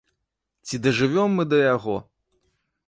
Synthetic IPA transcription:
t͡sʲid̪ɐʐɨvʲɔmːɨd̪ɐjaɣɔ

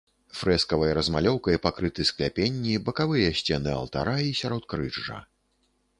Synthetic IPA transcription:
fɾɛskɐvɐjɐɾɐzmalʲɔwkɐjpakɾɨt̪ɨsklʲapʲenʲːibɐkavɨjɐsʲt͡sʲɛnɨɐ̰lˠt̪a̰ɾaisʲaɾɔt̪̚kɾɨʐɐ̰

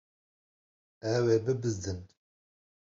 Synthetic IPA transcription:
ɛweːbɨbɨzd̪ɨn

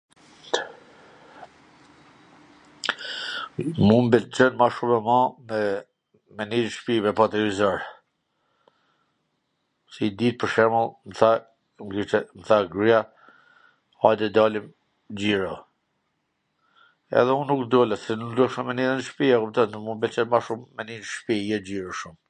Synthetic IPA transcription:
mumbɛlt͡ʃənmaʃumɛmãmɛ | mɛniɾʃpimɛpat̪iɾizɔɾ | sid̪it̪̚pəɾʃɛməlˠmθa | ŋkit͡ʃɛməθaɡɾija | ad̪ɛd̪alim | d͡ʑiɾɔ | ɛ̰ðɛũnːukd̪ulɛtsɛnud̪uɛʃɛmɛniðɛnʃpiakup̚t̪ɔnmũnbɛlt͡ʃənmaʃumːɛniɾʃpijɛd͡ʑiɾɔʃum

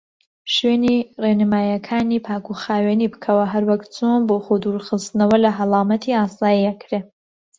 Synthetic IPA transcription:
ʃweːnirenɨmaːjɐkʰaːniːpʰaːkʰuxaːweːniːbɨkʰɐwɐɦɐɾwɐkt͡sʰoːnboːχod̪uːɾχɨst̪nɐwɐlɐɦɐlˠɑːmɐt̪ʰiaːsaːjiɐkʰɾe

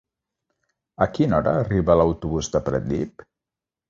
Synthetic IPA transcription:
əkinɔɾə̰ːriβələwt̪uβuzd̪əpɾə̰t̪ːip

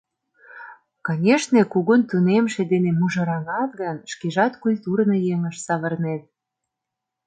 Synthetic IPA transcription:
kɑnʲeʃnekuɣunt̪unemʃed̪enemuʒɤ̆ɾɑŋɑt̪̚ɣənʃkeʒɑt̪kulʲt̪urnɤjeŋəʃsɑβə̆rnet̪̚

